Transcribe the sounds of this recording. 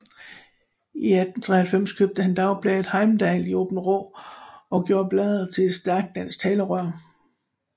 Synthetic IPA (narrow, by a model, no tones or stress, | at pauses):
iæd̥n̩t͡sʰʁɛhælfem̰skʰøb̥̚d̥əhænd̥ɑ̈ʊb̥lɛːd̥hɑ̈ɪm̩d̥ɛːlioːb̥n̩ʁɔ̰ːɒ̽ɡ̥jo̝ːɐ̰b̥lɛːðˠɐt͡sʰe̝̥sd̥æɐɡ̥̚d̥ænst͡sʰɛːləʁɶɐ̰